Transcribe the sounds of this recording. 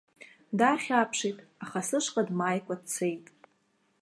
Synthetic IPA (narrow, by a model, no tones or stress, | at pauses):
daχʲapʰʂejtʼaχasɨʂqʼadmajkʷʼadt͡sʰejtʼ